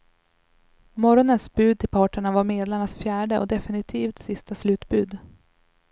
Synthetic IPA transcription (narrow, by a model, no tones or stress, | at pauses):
mɔɾɔnənsbʉ̟ːd̪̚t̪ʰɪlpʰɑːʈəɳavaɾmeːd̪laɳasfjæːɖəʔɔ̰d̪ɛfɪnɪt̪ʰiːft̪sɪst̪aslʉ̟ːt̪bʉːd̪